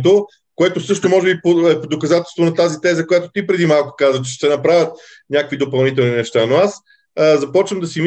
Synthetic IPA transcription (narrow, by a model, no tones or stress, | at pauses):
t̪o | koɛt̪osɤʃt̪omɔʒɛbipoɛpod̪okɐzat̪ɛlˠst̪vonɐt̪azit̪ɛzɐkojat̪ot̪ipɾɛd̪imalˠko̥kazvət͡ʃɛ̥ʃt̪ɛnɐpɾavʲət̪̚ | nʲakəkvid̪opɐlˠnit̪ɛlˠninɛʃt̪anoas | zɐpɔt͡ʃvəmd̪ɐsim